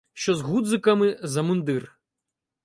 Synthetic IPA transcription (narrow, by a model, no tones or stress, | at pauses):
ʃt͡ʃɔzɦud̪zɨkɐmɪzɐmund̪ɪr